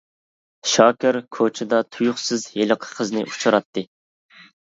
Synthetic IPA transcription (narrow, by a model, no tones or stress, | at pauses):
ʃɑːkʲɪɾkʰot͡ʃʰɪd̪ɑt̪ʰujʊχsɨzjeləqʰə̥qʰəznɨʔut͡ʃʰɑɾɑt̪ʰːɨ